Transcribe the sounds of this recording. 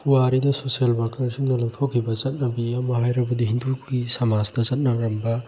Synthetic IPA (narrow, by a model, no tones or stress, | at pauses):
huaɾidɐsosielbakɐɾsiŋnɐlɐwtʰokʰːibɐzɐt̚nɐbiɐmɐɦajɾɐbɐdiɦindukɡisɐmazdɐzɐt̚nɐɾɐmbɐ